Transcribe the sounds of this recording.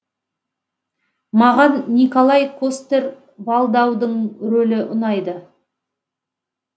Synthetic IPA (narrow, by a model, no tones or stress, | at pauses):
mɑʁɑnːikolˠɑjkʰost̪e̞ɾ | bɑlˠd̪ɑwd̪əɴɾɵlɪʔʊnɑjd̪ə